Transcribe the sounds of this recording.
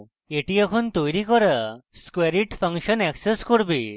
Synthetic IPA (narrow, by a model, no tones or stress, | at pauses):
eʈiɛkʰɔnt̪ojɾikɔɾaskweɾiʈpʰəŋʃɔnɛkseskɔɾbi